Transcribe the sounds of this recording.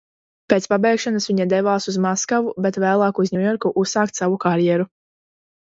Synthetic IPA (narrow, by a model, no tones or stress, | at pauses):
peːt̪spabɛjkʃanasvʲiɲad̪ɛvaːsuzmaskavubet̪væːlˠɑːkuzɲʲujɔɾkuʔussaːk̚t̪ʲsavukaɾjɛɾu